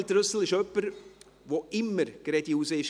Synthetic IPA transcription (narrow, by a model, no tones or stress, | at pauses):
ltɾʉsl̩ɪʃœpːəɾ | ʋoɪmːəɾɡ̥ɾɛdiuːsəɪʃ